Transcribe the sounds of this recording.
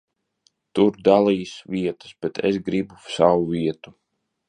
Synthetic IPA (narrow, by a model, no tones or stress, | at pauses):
t̪uɾd̪alˠiːsviɛt̪ə̥sb̥ɛt̪ʰesɡɾibusawuviɛt̪u̥